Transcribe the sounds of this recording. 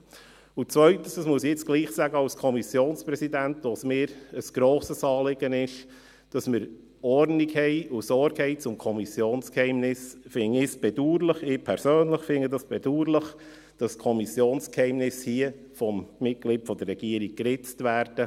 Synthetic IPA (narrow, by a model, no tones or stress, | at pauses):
ʊt͡svœʏtən̩ssmuəsɪt͡sɡ̥liːχsæɡəɑlskʰɔmisjoːnspɾɛsidæntʋosmɪːɾəsɡ̥ɾoːsəsɑːlɪɡənɪʃ | d̥ɑsməɾ | ɔrnikhɛɪʊsɔɾkhɛɪt͡sʊmkʰɔmisjoːnskhɛɪmnɪsfɪnɪsb̥ɛduːɾləχɪːpʰɛɾsøːnləχfɪnədɑsb̥ɛduːɾləχ | d̥ɑskʰɔmisjoːnskhɛɪmnɪshiə | fɔmːɪt̚ɡliːtfɔd̥̪ərːɛɡiəɾiɡ̚krɪt͡stvæːɾd̥ə